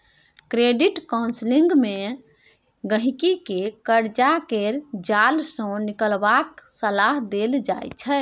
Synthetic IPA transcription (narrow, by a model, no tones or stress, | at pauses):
kɾeɖiʈkawnsliŋɡme | ɡəɦikikekəɾd͡ʒakeɾd͡ʒalsɔ̃nikəlbaksəlaɦd̪eld͡ʒajt͡ʃʰɛ